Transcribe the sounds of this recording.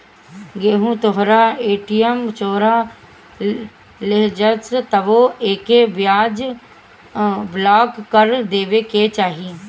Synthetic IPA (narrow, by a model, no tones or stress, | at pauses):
ɡeːɦũːt̪ʊɦɾaːeːʈiːəmt͡ʃoːɾaː | lɪɦd͡ʒəst̪əʋoːeːkeːʋɪjaːd͡ʒ | blaːkkːəɾd̪eːʋeːkeːt͡ʃaːɦiː